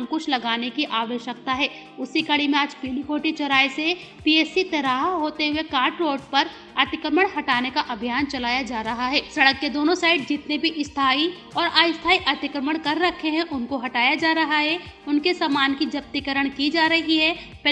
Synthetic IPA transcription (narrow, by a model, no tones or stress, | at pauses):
mkʊʃʰlɐɡaːnekiʔaːʋəʃjək̚t̪aɦɛː | ʊsikɐɽimẽaːd͡ʒpiːlikʰoːʈit͡ʃɐɾaːese | pieːsit̪ɐɾaːɦɦoːt̪eɦʊekaːɾʈɾoːɖ̚pɐɾ | ɐt̪ɪkɾəməɽ̃ɦɐʈaːnekaʔɐbʱijaːnt͡ʃɐlaːjad͡ʒaːɾɐɦaɦɛːsɐɽəkːed̪oːnõsaːɪɖd͡ʒɪt̪nebʱiʔɪst̪ʰaːi | ɔːɾaːɪst̪ʰaːiʔɐt̪ɪkɾəməɽ̃kɐɾːɐkʰeɦɛ̃ʔʊnkoɦɐʈaːjad͡ʒaːɾɐɦaɦɛ | ʊnkesaːmaːnkid͡ʒɐp̚t̪ɪkəɾəɽ̃kid͡ʒaːɾɐɦiɦɛː | p